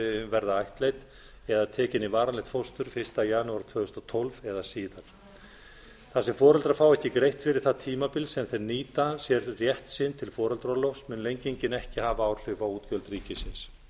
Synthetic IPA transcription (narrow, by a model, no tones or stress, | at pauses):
ʏmvɛɾðaajht̪lejt̪ | ɛðat̪ʰɛːcɪnivaːɾanlejht̪fowst̪ʏɾ̥fɪr̥st̪ajaːnuaɾ̥t̪ʰv̥œːɣʏst̪ɔt̪ʰɔlvɛðasiːðaɾ̥ | θasɛmfɔːɾœlt̪ɾafawɛhcɪkɾejht̪fɪɾɪɾ̥θaðt̪ʰiːmapɪlsɛmθejɾniːt̪asjɛɾrjɛht̪sɪnt̪ʰɪlfɔːɾœlt̪ɾɔlɔfsmʏnlejɲcejɲcɪnɛhcɪhaːvaaːwl̥ʏvawuːt̪cœlt̪riːcɪsɪns